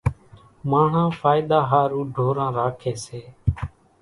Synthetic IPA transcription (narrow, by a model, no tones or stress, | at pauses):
maːɳ̤ãːfʰaːɪd̪aːɦaːɾuːɖʱoːɾãːɾaːkʰeːseː